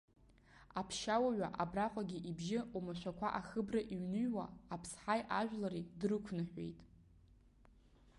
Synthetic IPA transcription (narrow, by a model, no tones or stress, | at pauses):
apʰʃawaɥʷaʔabraqʷʼaɡʲiʔibʒɪumaʃʷakʷʰaʔaχɨbraʔiɥnɨɥwaːpʰsħajʔaʒᶣʷlaɾidrɨkʷʰnɨħʷᶣḛjtʼ